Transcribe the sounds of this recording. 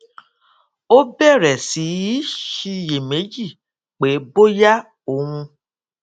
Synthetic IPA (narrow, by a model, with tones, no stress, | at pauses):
o˦bɛ˦˨ɾɛ˨si˨˦i˦ʃi˧je˨me˨˦d͡ʒi˦˨ | k͡pe˨˦bo˦ja˦ | o˨wũ˧